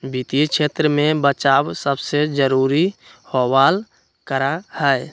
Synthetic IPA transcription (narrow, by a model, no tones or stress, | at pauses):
bit̪ikt͡ʃʰeːt̪ɾəmẽbət͡ʃaːwsəbsed͡ʒəɾuːɾihowaːl | kəɾahɛe